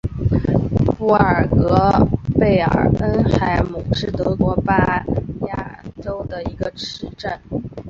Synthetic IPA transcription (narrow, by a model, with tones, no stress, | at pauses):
pu˥˩ə˨˩kɤ˧˥pe˥˩ɪə̰˨˩ə˥nxa˧˥ɪmu˨˩ʂɻ̩˥˩t̪ɤ˧˥kwɔ˧˥pa˥ja˥˩ʈ͡ʂo˥ʊd̪ə˨i˧˥ɡə˧ʈ͡ʂɻɻ̩˥ʈ͡ʂa˥˩n